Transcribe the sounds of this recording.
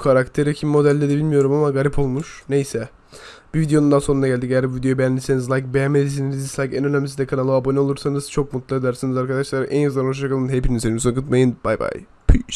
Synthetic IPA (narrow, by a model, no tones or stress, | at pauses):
kʰaɾakt̪ʰeɾɛcʰimimo̞d̪ælʲːed̪ɛbilʲmijo̞ɾumamaɡaɾʲipʰo̞lˠmuʃne̞jsɛ | b̥ivid̪ejo̞nund̪anso̞nunaɟælʲd̪iejæɾbuvid̪ebejænʲlʲisenizlˠajk̚bejænmelʲis̬eninizislˠajkɛnø̞næmis̬id̪ɛkʰanalˠoabo̞nɛolˠuɾsanɯz̥t͡ʃʰo̞k̚mut̪lˠad̪æɾsinizaɾkad̪aʃlˠaɾaʔænjazlˠanʃt͡ʃakʰalˠɯnɦepʰinienimsonkɯt̪majɯnb̥ajba̰j | pʰiʃ